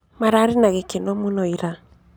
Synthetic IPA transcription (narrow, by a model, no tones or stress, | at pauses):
maɾaɾenaɣekenɔmonɔiɾa